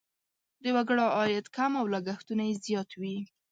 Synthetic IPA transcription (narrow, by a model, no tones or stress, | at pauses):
d̪əwaɡəɽaɑjat̪kamawlaɡaxt̪unajezjɑt̪wi